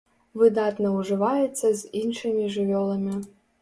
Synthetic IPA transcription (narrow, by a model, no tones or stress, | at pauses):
vɨd̪ɑt̪nɐuʐɨvajɛtt͡s̪ːɐzʲinʂɨmʲiʐɨvʲolˠɐmʲi